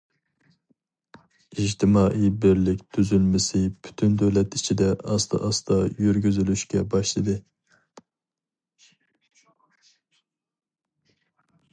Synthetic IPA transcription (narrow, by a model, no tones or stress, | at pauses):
id͡ʒt̪ʰɪmɑːʔijbɪɾlɪkʲt̪ʰyzylmɪsɪpʰy̥t̪ʰynd̪øwlɛt̪it͡ʃʰid̪ɛɑst̪ʰɑ̰ʔɑst̪ɑjyɾɡʲyzylyʃkʲɛbɑʃlˠɨd̪ɨ